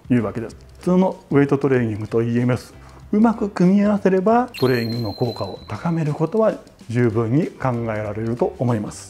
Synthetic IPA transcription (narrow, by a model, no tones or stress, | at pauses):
jɯ̟ːβake̞d̪e̞s | ɸɯ̥t͡sɨːno̞ɯ̟et̪o̞t̪o̞ɾe̞ːɲ̟ĩŋɡɯ̟t̪o̞iemesɨ̥ | ɯmakɯ̟kɯ̟mʲiaβase̞ɾe̞bat̪o̞ɾe̞ːɲĩŋɡɯnoko̞ːkao̞̰t̪akame̞ɾɯ̟ko̞t̪o̞βa | d͡ʑɨːbɯ̟̃ɲ̟ːikãŋɡae̞ɾaɾe̞ɾɯ̟t̪o̞ːmo̞imasɨ̥